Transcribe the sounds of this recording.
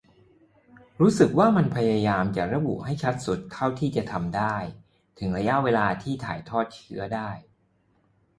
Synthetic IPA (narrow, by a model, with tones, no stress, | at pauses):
ɾuː˦˥sɯ˨˩k̚waː˥˩ma˧npʰa˧jaː˧jaː˧mt͡ɕa˨˩ɾa˧˦bṵ˨˩ha˥˩jt͡ɕʰa˦˥t̪̚su˨˩˦t̪ʰːa˥˩wt̪ʰiː˥˩t͡ɕa˨˩t̪ʰa˧mdaː˥˩j | t̪ʰɯ˩˦ŋɾa˧ja˦˥ʔweː˧laː˧t̪ʰiː˥˩t̪ʰa̰ː˩˦jt̪ʰɔː˥˩t̪̚t͡ɕʰɯ˦˥ɐdaː˥˩j